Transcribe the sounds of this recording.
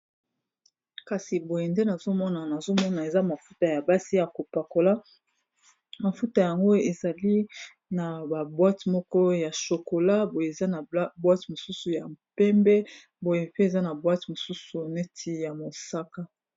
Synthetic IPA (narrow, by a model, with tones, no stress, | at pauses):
ka˨si˨bo˨je˨nde˦na˨zo˦mɔ˦na˨na˨zo˦mɔ˦na˨e˨za˦ma˨fu˦ta˨ja˨ba˦si˦ja˨ko˨pa˨ko˨la˦ | ma˨fu˦ta˨ja˨ŋɡo˦e˨za˨li˦ | na˨ba˨bwa˦tmɔ˦kɔ˦ja˨ʃo˨ko˨la˦bo˨je˨e˨za˦na˨bwa˦ti˨mo˨su˦su˨ja˨mpɛ˦mbɛ˦ | bo˨je˨pe˦e˨za˦na˨bwa˦ti˨mo˨su˦su˨nɛ˦tʰi˦ja˨mo˨sa˦ka˦